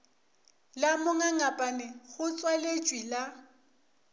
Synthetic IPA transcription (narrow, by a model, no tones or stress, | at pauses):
lamʊŋaŋapʼanɛɣʊt͡sʼwalet͡ʃʼwila